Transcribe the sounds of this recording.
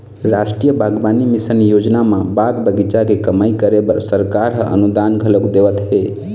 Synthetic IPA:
ɾasʈɾijəbʱaɡbanimisənjod͡ʒnamãbaɡbəɡit͡ʃakekəmaikəɾebəɾsəɾkaɾɦəʔə̰nud̪anɡʱələɡd̪eʋət̪ɦe

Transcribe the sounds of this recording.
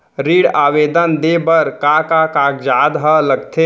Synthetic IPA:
ɾiɽaːʋed̪ənd̪ebəɾkakakakd͡ʒad̪ɦələɡ̚t̪ʰe

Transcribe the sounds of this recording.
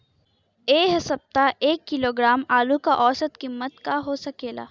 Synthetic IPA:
eːɦsɐb̚t̪aʔeːkːɪloːɡɾaːmaːlukaʔɔːsət̪kimːət̪kaɦoːsɐkeːla̰ː

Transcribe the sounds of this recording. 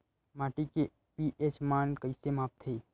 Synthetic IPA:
maːʈike | piʔet͡ʃmaːnkəɪsemaːp̚t̪ʰeː

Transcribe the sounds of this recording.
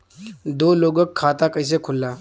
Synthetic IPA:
d̪oːloːɡəkʰːaːt̪akəɦɪs̬ekʰʊlːaː

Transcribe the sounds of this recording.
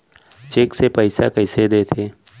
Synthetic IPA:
t͡ʃeːksepəɪsa̰kəɪsed̪eːt̪ʰeː

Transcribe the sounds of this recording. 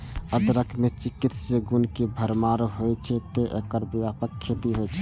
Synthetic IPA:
əd̪ɾəkʰmet͡ʃikit̪seɡunkebʱəɾmaɾɦojt͡ʃʰɛt̪eʔekəɾbiwjapəkʰːet̪iɦojt͡ʃʰɛ̥

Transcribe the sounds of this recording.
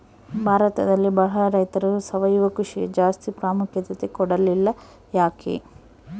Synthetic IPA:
bʱaːɾɐt̪ɐd̪ɐlːibɐɭɐɭɐɾɐjt̪ɐɾɐusɐʋɐjuʋɐkɾuʂḭd͡ʒaːst̪ipɾaːmukʰjɐt̪ɐt̪ekɔɽɐlilːɐ | jaːkʰḛː

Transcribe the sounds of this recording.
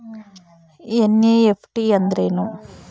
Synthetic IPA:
eneepʰʈiɐnd̪ɐɾeːnu

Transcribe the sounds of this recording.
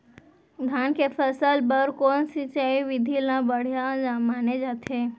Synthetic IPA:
ɡ̪ʱankefʰəsəlbəɾkonsit͡ʃaiʋid̪ʱilãbəɽ̤jaamaned͡ʒat̪ʰe

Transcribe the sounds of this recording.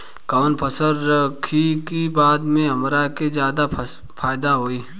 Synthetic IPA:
kaːnpʰəsəɾɾəkʰikibaːd̪mẽɦɐmɾakezjaːd̪a | faːɪd̪aɦoːiː

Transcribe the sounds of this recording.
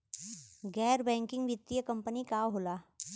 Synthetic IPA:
ɡɛːɾbɛ̃ːŋkɪ̃ŋɡʋɪt̪ːijəkɐ̃mpənikaːɦoːlaː

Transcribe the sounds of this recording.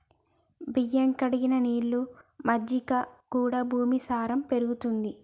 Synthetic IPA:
bijɐŋkɐɽiɡinɐniːɭːumɐd͡ʒikɐkuːɽɐbʱuːmisaːɾɐmpe̞ɾuɡut̪und̪i

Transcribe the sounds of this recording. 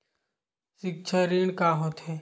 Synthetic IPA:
sɪk̚t͡ʃʰəɾiːɽ̃kaːɦoːt̪ɦɛː

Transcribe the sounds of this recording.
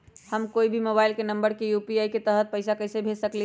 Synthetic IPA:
həmkoːibʱimobaɪlkenəmbəɾkejupiaiket̪əɦət̪̚pəɪsakəɪsebʱesəkli

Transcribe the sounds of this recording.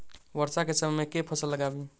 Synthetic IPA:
bəɾsakesəmmekepʰəsəlːəɡabi

